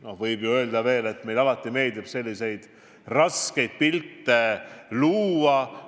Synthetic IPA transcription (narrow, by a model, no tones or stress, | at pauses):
no̞hvɤjbjuø̞ːld̪ɑve̞ːle̞t̪ːme̞jlɑlɑt̪ˑːime̞ːld̪ib̥se̞lʲːise̞jd̪̥ | rɑske̞jd̪̥̚pilt̪ːe̞luːɑ